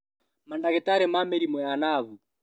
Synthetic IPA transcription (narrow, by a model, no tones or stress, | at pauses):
mandaɣɛtaɾɛmamɛɾimwɛanaβu